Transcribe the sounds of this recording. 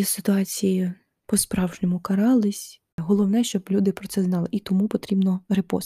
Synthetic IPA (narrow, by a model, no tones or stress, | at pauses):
sɪt̪ʊɑt͡sʲiji | pɔspɾɑwʒnɪmʊkɐɾɑlˠɪsʲ | ɦɔlˠɔwnɛʃt͡ʃɔblʲud̪ɪpɾɔtsɛznɑlˠɪʔit̪ɔmupɔt̪ɾʲibnɔɾepɔ̰s